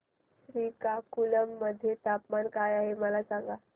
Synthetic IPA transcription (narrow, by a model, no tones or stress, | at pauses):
ɕɾiːkakuləmːəd̪ʱːjet̪apmankajaɦeməlasaŋɡa